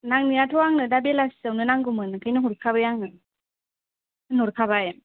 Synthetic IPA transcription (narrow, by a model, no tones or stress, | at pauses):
naŋnijatʰɔwaŋnɯdabelasawnɯnaŋɡumɯnɯkʰajnɯɦuɾkʰabajaŋnɯ | ɯnɔɾkʰabaj